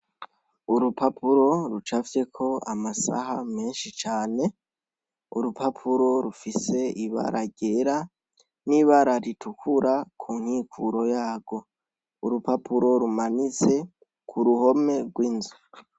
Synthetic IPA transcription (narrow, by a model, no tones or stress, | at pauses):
uɾupapuɾo̞ɾut͡ʃafje̞kʰo̞amasa̰hame̞ːnʃit͡ʃaːne̞ | ṵɾupapʰuɾo̞ɾufise̞iβa̰ɾʔaɟe̞ɾa | niβaɾaɾitʰukʰuɾakʰuːn̥hikʰuɾo̞jaːɡ̥o̞ | uɾupapuɾo̞ɾumanit͡se̞ | kʰuɾuho̞me̞ɡwiːnzu